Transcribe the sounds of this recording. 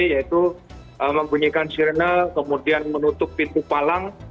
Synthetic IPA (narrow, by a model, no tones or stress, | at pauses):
jait̪u | ʔəməmpuɲikansiɾnəkəmudianmənut̪ʊpːint̪upalaŋ